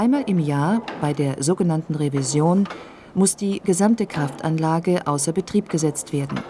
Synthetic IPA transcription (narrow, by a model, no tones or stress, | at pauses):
ʔaɪnmaːlʔɪmjaːɐb̥aɪdeːɐzoːɡənantn̩ʁevizjoːn | mʊsd̥iːɡəzamtəkʁ̥aftʔanlaːɡəʔaʊsɐbətʁ̥iːp̚ɡ̥əzɛt͡stv̥eːɐdn̩